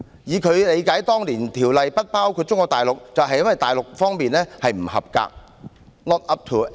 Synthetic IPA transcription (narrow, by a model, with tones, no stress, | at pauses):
jiː˨˦kʰɵ˨˧ɥle˨˧jkaː˨˥jt̪ɔː˥ŋliː˨˩nt̪ʰiː˨˩wlɐ˨jpɐ˥t̚paː˥wkʰu˧t̚t͡sʊ˥ŋkɔː˧kt̪aː˨˩jlʊ˨k̚t͡sɐ˨wɦɐ˨jːɐ˥nwɐ˨jt̪aː˨jlʊ˨k̚fɔː˥ŋmiː˨nlɛː˥hɐ˨jm̩˨˩hɐ̰˨˩p̚ka̰ː˧k̚ | lɔː˥t̚ɐ˥p̚t̪ʰu˨